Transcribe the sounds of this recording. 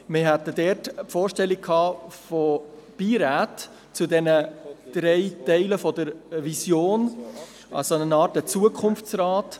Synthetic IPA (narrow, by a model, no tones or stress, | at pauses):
mɪɦɛt̪ədɛːɾtpfoːɾʃtɛlik̚kʰhɑːfopiːɾaːt | t͡sudɛnəd̪̥ɾɛɪtɛɪləfɔdəɾvisjoːn | ʔɑ̰sonənɑːɾtət͡suəkʰχʊnft͡srɑːt